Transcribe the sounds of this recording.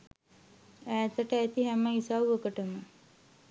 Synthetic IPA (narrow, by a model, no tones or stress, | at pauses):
æːt̪əʈəæt̪iɦæməisawokəʈəmə